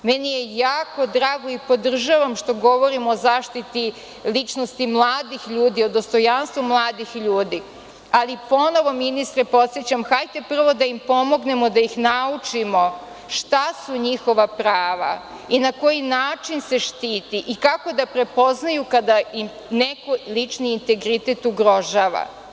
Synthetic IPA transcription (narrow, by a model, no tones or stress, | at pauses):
mɛnije̞jaːko̞d̪ɾaːɡo̞ipo̞d̪r̩ʒaʋamʃt̪o̞ɡo̞ʋo̞ɾimoːzaːʃt̪it̪i | lit͡ʃnost̪imlˠaːd̪ixʎuːd̪io̞d̪ost̪o̞janst̪ʋumlˠaːd̪ixʎuːd̪i | alipo̞no̞ʋo̞minist̪ɾepo̞t̪sjet͡ɕamxajt̪epr̩ʋo̞d̪aimpo̞mo̞ɡne̞mo̞d̪ajixnaut͡ʂimo̞ | ʃt̪asuɲixo̞ʋapɾaːʋa̰ | inako̞jinaːt͡ʃinse̞ʃt̪iːt̪iʔikako̞d̪apɾe̞po̞znajukad̪aim | nekolit͡ʃniːnt̪e̞ɡɾit̪e̞t̪uɡɾo̞ʒaːʋa̰